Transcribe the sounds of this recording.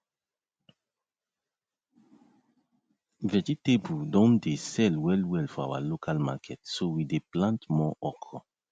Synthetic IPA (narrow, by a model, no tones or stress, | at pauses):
vɛd͡ʒit̪ebudɔ̃nd̪esɛlwɛlwɛlfa̰wa̰lokalmakɛt̪sowid̪eplãnt̪mɔ̃ʔɔkɔ